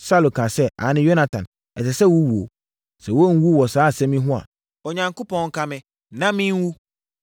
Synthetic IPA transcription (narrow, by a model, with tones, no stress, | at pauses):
sa˦˨lo˨kʰã˨sɛ˦ʔa̰˨˦nɪ̃˦jo˦na˨tʰã˨n | ɛ˨tɪ˨sɛ˦wu˦wu˨o̰˨ | sɛ˨wo˦wu˦wɔ˨saː˦a˨sɛ̃˦mĩ˦ɦʊ̃˦a̰˨ | ɔ˨ɲã˨ŋko˦pʰɔ̃˨ŋŋ̩˦kʰa˦mɪ̃˦ | nã˦mĩ˦wu˦